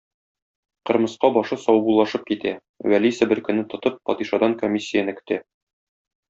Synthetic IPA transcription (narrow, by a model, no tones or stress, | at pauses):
qɤ̆ɾmɤ̆sqɑbɒʃɤsɒwbulˠːɑʃɤp̚kit̪æ | wælisɘbɘɾkɵ̆nːɘt̪ŏt̪ɤp̚fɒ̰d̪iʃɑd̪ɑŋkomʲisʲːijənɘkɵ̥̆t̪æ